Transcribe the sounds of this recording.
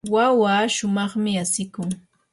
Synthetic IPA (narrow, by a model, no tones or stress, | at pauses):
wawaːʃʊmɑχmɪasɪkʊŋ